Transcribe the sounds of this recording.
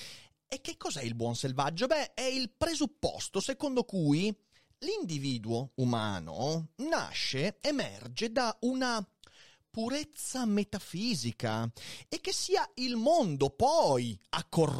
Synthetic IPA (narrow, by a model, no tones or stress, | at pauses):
ek̟ːekːɔzɛilbwɔnselvad͡ʒːobɛɛilpɾezupːɔ̰st̪osekond̪okuːj | lind̪iviːd̪uouma̰ːno̰na̰ʃːeemɛ̰rd͡ʒed̪auna | puɾet̪sːamet̪afiːzika̰ek̟ːesːiːailmond̪opɔja̰kːor